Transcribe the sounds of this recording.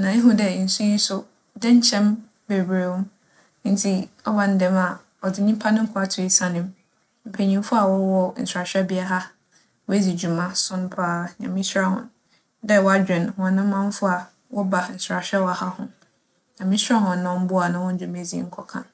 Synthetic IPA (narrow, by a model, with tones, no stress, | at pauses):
nã˨e˦ɦu˦dɛ˨n̩˨su˦ji˦sʊ˦ | dɛ˦ɲ̩˦t͡ɕʰɛ̃˦m | be˨bɾe˨wɔ̃˦m˦ | n̩˦tʰi˦ɔ˦ba˨n̩˦dɛ̃˨ma˨ | ɔ˨dɪ˨ɲĩ˦pʰa˦nʊ̃˦ŋ̩˦kʰʊ˦a˨tʰʊ˨i˨sã˨nɪ̃˦m | m̩˨pʰe˨ɲĩ˨m˦fʊ˦a˨wɔ˦wɔ˦n̩̰˨sa˨ɕᶣɛ˦bɪ˦a˦ɦa˦ | wɔ˦æ˦d͡zi˨d͡ʑu˨mã˦sʊ̃˦n˦pʰaː˦ɲã̰˨mĩ˦sɾa˦hʊ̰̃˨n | dɛ˦wɔ˦a˨d͡ʑᶣɪ̃˨nhɔ̃˨a˨nã˦ã˦m˦fʊ˦a˨ | wɔ˦ba˨n̩˨sʊ˨ɾa˨ɕᶣɛ˦wa˨ha˦hʊ̃˨ | ɲã˨mɪ̃˦sɾa˦ɦʊ̃˨nːã˨w̃m̩˦bʊ˦a˨nã˨wɔ̃˦n̩˦d͡ʑu˨me˨d͡zḭ˨˦ŋ̩˦kʰɔ˨kʰã̰˨n